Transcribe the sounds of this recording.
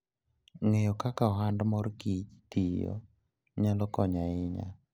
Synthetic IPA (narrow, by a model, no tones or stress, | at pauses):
ŋejɔkakaɦandmɔɾkit͡ʃt̪ijɔ̰ | ɲalɔkɔɲaɪɲa̰